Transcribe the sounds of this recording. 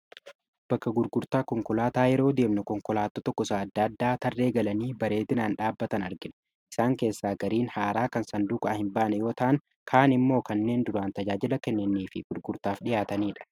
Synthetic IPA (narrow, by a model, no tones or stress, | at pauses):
b̥ɐkːɐɡʊɾɡʊɾt̪aːkɔŋkɔlaːt̪aːjɛɾo̞ːd̪e̞ːbnɛkɔŋkɔlaːt̪ːɔt̪ɔkːɔsaːɐd̪ːɐd̪ːaːt̪ɐrːe̞ːɡɐlɐniːbɐɾe̞ːd̪ɪnaːnᶑaːbːɐt̪ɐnɐɾɡɪᶑɐ̥ | ʔɪ̥saːŋke̞ːsːaːɡɐɾiːnhaːɾaːkɐnsɐnd̪uːkʼaɐhɪmbaːnɛjo̞ːt̪ɐʔɐn | kʰaːnɪmːo̞ːkɐnːe̞ːnd̪ʊɾaːnt̪ɐd͡ʒaːd͡ʒɪlɐkɛnːɪnːiːfɪɡ̥ʊɾɡʊɾt̪aːfᶑɪjaːt̪ɐniːᶑɐ̥